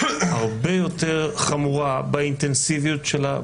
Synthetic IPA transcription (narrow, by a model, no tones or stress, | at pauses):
haʁbejo̞t̪eʁχamuʁabaint̪ensivijutʃela